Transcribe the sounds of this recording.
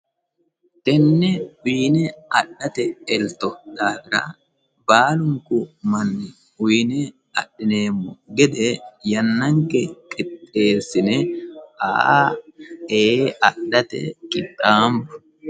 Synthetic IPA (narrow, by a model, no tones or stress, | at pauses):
t̪ɛnːɛiːnɛɐɗːɐt̪ɛɛlt̪ɔd̪aːɡɪɾɐ̰ | baːlʊŋkʊmɐnːɛ | ʊjnɛ | ɐ̰ɗɪne̞ːmːɔɡɛd̪ɛjɐnːɐŋkɛkʼɪt̪ʼːeːsɪnɛaː | eːɐɗɐt̪ɛ̰kʼɪt̪ʼːaːmbɐ